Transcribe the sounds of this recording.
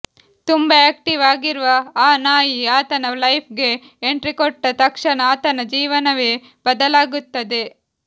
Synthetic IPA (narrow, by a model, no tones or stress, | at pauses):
t̪umbɐeːk̚ʈiʋaːɡiɾuʋɐaːnaːjiaːt̪ɐnɐlɐjpʰɡe̞ː | ɳʈɾikɔʈːɐt̪ɐkʂɐnɐaːt̪ɐnɐd͡ʒiːʋɐnɐʋeː | b̥ɐd̪ɐlaːɡut̪ːɐd̪e̞